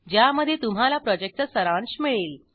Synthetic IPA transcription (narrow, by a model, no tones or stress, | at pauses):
d͡ʑjaməd̪ʱːjet̪um̤alapɾɔd͡ʑek̚ʈ̪əsəɾãɳsmiɭeːl